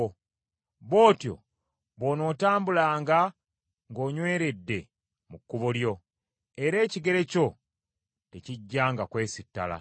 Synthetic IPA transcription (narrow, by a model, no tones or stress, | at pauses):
βo̞ːtjo̞̰ | βono̞ːtaːmbulaːŋɡa | ŋɡo̞ːɲwe̞ːɾe̞dːe̞ | mukːuβoljo̞ | e̞ɾe̞ːciɡe̞ɾe̞co̞ | te̞ciɟːaːŋɡakwe̞ːsitːala̰